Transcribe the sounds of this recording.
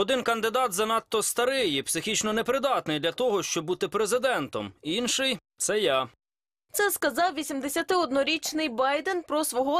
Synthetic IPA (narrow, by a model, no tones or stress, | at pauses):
ɔd̪ɪnkɐnd̪ɪd̪ɑt̪zɐnɑt̪ːɔst̪ɐɾɪjipsɪxʲit͡ʃnɔnepɾɪd̪ɑt̪nɪjd̪lʲɐt̪ɔɦɔʃt͡ʃɔbbut̪ɪpɾezɪd̪ɛnt̪ɔminʃɪj | t̪sɛja | t̪sɛskɐzɑwʋʲisʲimd̪esʲɐt̪ɪɔd̪nɔɾʲit͡ʃnɪjbɑjd̪enpɾɔsʋɔɦɔ